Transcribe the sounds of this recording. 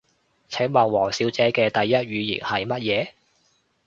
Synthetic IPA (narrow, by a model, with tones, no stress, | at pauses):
t͡sʰɛ˨˥ŋmɐ˨˩nwɔː˨˩ŋsiː˨˥wt͡sɛː˨˥kɛː˧t̪ɐ˨jːɐ˥t̚ɥyː˨˧jḭː˨˩ŋhɐ˨jmɐ˥t̚jɛː˨˧